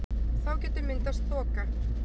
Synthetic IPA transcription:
θawcɛːt̪ʏmɪnt̪ast̪θɔːka

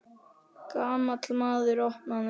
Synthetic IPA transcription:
kaːmat̪ʰɪlmaːðɪɾɔhnan

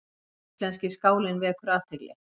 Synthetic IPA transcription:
ist̪lɛnscɪskaːwlɪnvɪðɛhkvʏɾaːt̪ɪlɛ̰

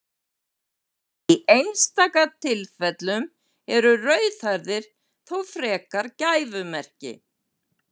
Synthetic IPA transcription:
iejnst̪aːkat̪ʰɪlfɛt̪lʏm | ɛɾʏrœːɥθajɾðɪɾ̥ | θowfɾɛːkaɾcaːjvʏmɛr̥cɪ̰

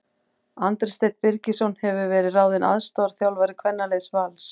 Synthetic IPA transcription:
ant̪ɾɪst̪ejt̪̚pɪɾcɪsɔwnhɛvʏvɛːɾɪðraːwðɪna̰ðst̪ɔɾ̥θjawlvaɾɪkʰvɛnːalejsvals

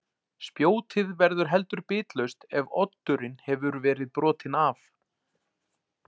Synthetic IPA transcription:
spjoːwt̪ʰɪðvɛɾðʏɾ̥ɦɛl̪t̪ʏɾpɪːt̪lœɥst̪ɛvɔt̪ːʏɾɪnhɛvʏɾvɛːɾɪðpɾɔːt̪ʰɪnaf

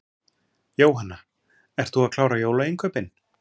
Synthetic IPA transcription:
joːwɦanːa | ɛɾ̥t̪θuaðkʰlaːwɾajoːwlaejŋkʰœːpɪn

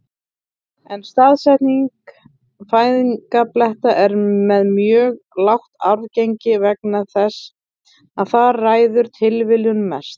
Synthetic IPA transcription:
ɛnst̪aːðsɛjht̪niŋk | faːjðiŋkaplɛht̪aʔɛɾmɛðmjœːɣ | lawht̪aɾceɲcɪvɛknaθɛsː | aðθaraːjðʏɾ̥t̪ʰɪlvɪljʏnmɛst̪

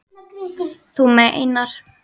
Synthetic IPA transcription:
θumɛʔḛjnaɾ̥

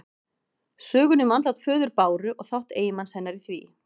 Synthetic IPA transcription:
sœːɣʏnʏmant̪lawt̪fœːðʏɾpaːwɾʏʔɔɣθawht̪eːjɪmanshɛnːaɾiθvḭː

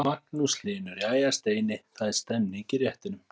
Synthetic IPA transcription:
aknuslɪːnʏɾiaːjast̪eːjnɪθaðst̪ɛmnɪicɪɾjɛht̪ɪnʏm

